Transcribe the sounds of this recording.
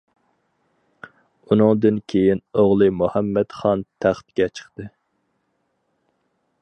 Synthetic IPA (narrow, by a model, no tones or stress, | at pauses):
unɨŋd̪ɨnkʲʰejinoʁlˠɨmuhæmːɛt̪χɑnt̪ʰæχt̪ɡʲɛt͡ʃʰə̥χt̪ɨ